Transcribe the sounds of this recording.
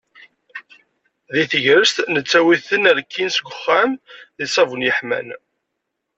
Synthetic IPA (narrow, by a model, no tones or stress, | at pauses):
ðiθəʝɾəst̪nət͡sːæwiθənəɾkʰːinsɡʷəχːæmðisævunjəħmæ̰n